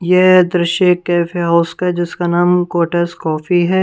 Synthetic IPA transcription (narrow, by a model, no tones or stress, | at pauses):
jed̪ɾɪʃjəkːɛːfʰeɦaʊskaɦɛd͡ʒɪskanaːmkoːʈəskɔːfiɦɛː